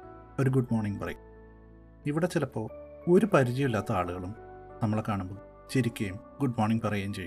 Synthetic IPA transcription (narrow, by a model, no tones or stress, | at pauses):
o̞ɾuɡuɖmoːrɳiŋɡpɐrɐ̰jum | iʋiɽet͡ɕilɐpːo̞ː | o̞ɾupɐɾit͡ɕɐjilːaːt̪ːɐaːɭuɣɐɭumnɐmːɐɭekːaːɳumbo | t͡ɕiɾikʲːɐjumɡuɖmoːɳniŋɡpɐrɐjaːmt͡ɕejːu